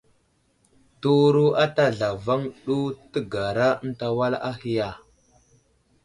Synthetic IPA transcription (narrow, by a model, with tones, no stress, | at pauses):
tu˦ɾu˦a˦ta˦ɮa˨va˦ŋɗu˦tə˦ɡa˨ɾa˦ə˦n˦ta˦wa˦la˦hi˦ja˦˨